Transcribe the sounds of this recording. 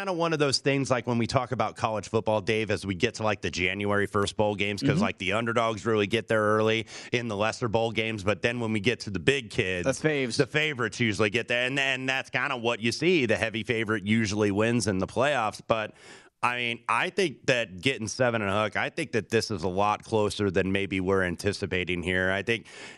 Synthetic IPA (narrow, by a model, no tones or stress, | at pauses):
ãɪ̃ndəwʌ̃nʌvðoʊz̥θɪ̃ŋzlaɪkwə̃nwitʰɔkəbaʊt̚kʰɑlˠəd̥ʒ̥fʊt̚b̥ɔlˠdeɪvɨzwiɡɛtʰəlaɪk̚ðɨd͡ʒæ̃njʉɛɹifɜ˞s̚b̥ɔlˠɡẽɪ̃mz̥kʰʌzlaɪk̚ðiʌ̃ndə˞dɔɡzɹɪlˠiɡɛt̪̚ðə˞ɜ˞lˠiɨ̃nðəlɛsə˞bɔʊlˠɡẽɪ̃mzbʌt̪̚ðɨ̃nwə̃nwiɡɛtʰɨðɨbɪɡ̚kʰɪdzvðɨfeɪvə˞ɨtsjʉʒl̩ˠiɡɛt̪̚ðə˞ɨ̃nɨ̃nðætskʰãɪ̃ndəwʌt͡ʃɨsiðɨhɛvifeɪvə˞ɨt̚jʉʒl̩ˠiwɪ̃nzɨ̃nðəpʰl̥eɪɔfsb̥ʌɾ | ʔaɪmĩnʔaɪθɪ̃ŋk̚ðɨt̚ɡ̥ɛɾɪ̃ŋ̩sɛvɨ̃ñɨ̃əhʊkaɪθɪ̃ŋk̚ðɨt̪̚ðɪsəzəlɔt̚kʰl̥oʊsə˞ðɨ̃nmeɪbiwɪɹæ̃ntʰɪsɨpeɪɾɪ̃ŋhiɹaɪθɪ̃ŋk̚